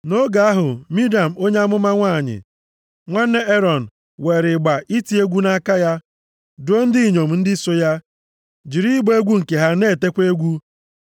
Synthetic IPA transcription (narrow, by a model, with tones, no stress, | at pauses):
no˦ɡa˨a˦ɦʊ˨mi˦da˨m̩˨o˦ɲe˦a˦mʊ˦ma˦ŋʷa˦˨ɲɪ̰˨ | ŋʷa˦n̩ː˦e˦e˦ɾɔ˨n̩˨ | we˨ɾɪ˨ɡ͡ba˨ʔi˦ti˨˦e˦ɡʷu˦na˦ka˦ja˦ | dʊ˨˦o˦n̩˦dɪ˦˨ɲo˨m̩˨n̩˦dɪ˦so˦ja˦ | d͡ʒi˨ɾi˦ɡ͡be˦ɡʷu˦ŋ̩˨ke˨ɦa˦ne˦˨te˦kʷe˦ɡʷu˦